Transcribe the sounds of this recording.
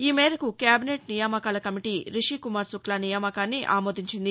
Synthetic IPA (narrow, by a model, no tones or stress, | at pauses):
iːmɛːɾɐkukjaːbineːʈnijaːmɐkaːlɐkɐmiʈiːɾiʂikumaːɾsuklanijaːmɐkaːnːiʔa̰ːmoːd̪ʱiɲt͡ʃind̪i